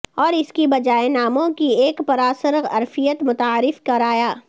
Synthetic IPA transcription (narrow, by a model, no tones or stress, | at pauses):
ɔːɾɪskibɐd͡ʒaːenaːmõkieːkpɐɾaːsəɾɐ̰ɾfijət̪mʊt̪aːɾɪfkɐɾaːjaː